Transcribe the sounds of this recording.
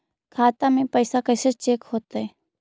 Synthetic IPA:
kʰaːt̪amẽpəɪsakəːset͡ʃeːkhoːt̪aɦɛː

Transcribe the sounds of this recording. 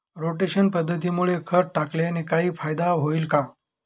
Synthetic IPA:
ɾoʈeɕənpəd̪ʱːət̪̬iːmuɭekʰəɾʈaklenekaɦiːfajd̪aɦoiːlka

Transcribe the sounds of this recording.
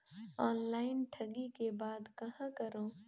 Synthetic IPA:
ɔːnlaːɪnʈʰɐɡikebaːd̪kɐɦãkɐɾõː

